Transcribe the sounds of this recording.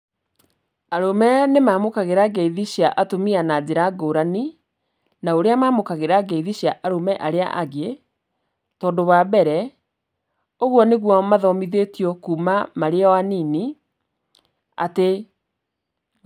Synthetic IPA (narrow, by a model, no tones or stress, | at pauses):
aɾomɛnemaːmokaɣeɾaɡɛiðiɕjaʔatomianad͡ʑeɾaɡoːɾani | naoɾeamaːmokaɣeɾaɡɛiðiɕjaʔaɾomɛʔaɾea̰ʔaɡe | tɔːndowabɛɾɛ | oɣwɔneɣwɔmaðɔmiðetiɔkuːmamaɾeɔwanini | a̰te